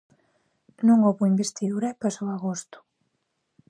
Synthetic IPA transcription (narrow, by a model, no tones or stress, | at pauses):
nõŋoβoimbest̪iðuɾapasoaɣost̪ʊ̥